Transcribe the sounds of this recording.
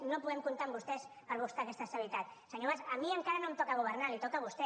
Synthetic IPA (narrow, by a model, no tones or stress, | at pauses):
nopuðemkunt̪aɾmbust̪ɛspəɾβust̪akest̪ast̪aβit̪at̪seɲoβasamiəŋkaɾanomt̪ɔkaɣuβəɾnalit̪okaβust̪e